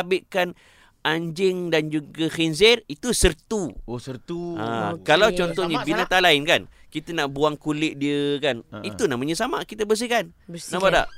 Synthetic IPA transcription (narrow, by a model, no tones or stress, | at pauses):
abɪʔkan | aɲd͡ʒɪŋdand͡ʒuɡaxins̬ɛrit̪usərt̪uosərt̪ua̰kalawt͡ʃɔnt̪ɔhɲəbinat̪alaɪnkan | kit̪ənaʔbuaŋkulɪʔ̚diəkanit̪unaʔmaɲəsamaʔkit̪əbəs̬ɪhkannabada̰ʔ